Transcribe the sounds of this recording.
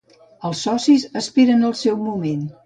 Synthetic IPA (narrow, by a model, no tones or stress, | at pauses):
əlˠsːɔsizəspiɾənəlˠsɛwmumen